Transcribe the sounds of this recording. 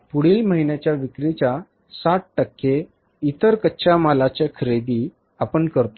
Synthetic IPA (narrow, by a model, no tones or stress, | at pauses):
puɽiːlməɦinjat͡ɕjaʋikɾit͡ɕa | saʈ̚ʈəkːe | it̪əɾkətːɕʰamalat͡ɕekʰɾed̪i | apəɳkəɾt̪o